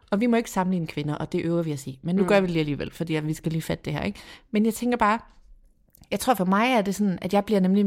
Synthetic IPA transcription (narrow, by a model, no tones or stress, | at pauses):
ʔɒ̽ʋimɒ̽e̝ɡ̥əsɑ̈mn̩lḭːnəkʰʋe̝nɐʔɒ̽d̥e̝ʔøʊɐʋiæsḭːmenːuɡ̥ɶɐʋiliːæliːʋelfɒ̽d̥ḭːʋisɡ̥æliːfæd̥ə̥d̥e̝hæɐ̰eɡ̥menjɑɪt͡sʰeŋɡ̥ɐb̥ɑ̈ː | jɑɪt͡sʰʁo̝ɐ̰fɒ̽mɑ̈ɪæɐd̥e̝sɒ̽nn̩ʔæd̥jɑ̈ɪb̥liɐnemli